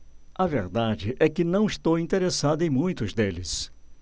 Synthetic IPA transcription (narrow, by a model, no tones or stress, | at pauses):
ɐveɾd̪ad͡ʒɪʔɛkɪnɐ̃w̃ist̪owĩnt̪eɾesad̪ʊẽj̃mũj̃t̪ʊzd̪elɪ̰s